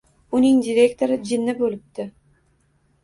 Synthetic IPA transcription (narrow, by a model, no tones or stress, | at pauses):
ʊnɪŋd̪ʲiɾe̞kt̪ʰoɾɪd͡ʒɪnːɪbolɪp̚t̪ɪ